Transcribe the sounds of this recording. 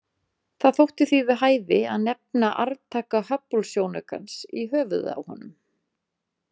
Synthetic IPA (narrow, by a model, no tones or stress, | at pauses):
θaðθowht̪ɪθivɪðɦaːjðɪaðnɛp̚naʔa̰ɾt̪ʰaːkahœpːɔlsjoːwnaka̰nsiɦœːvʏ̰ða̰whɔ̰nʏm